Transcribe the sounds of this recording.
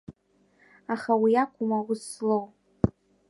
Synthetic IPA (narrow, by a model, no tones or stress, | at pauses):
aχawiakʷʰʼʊmawʊslow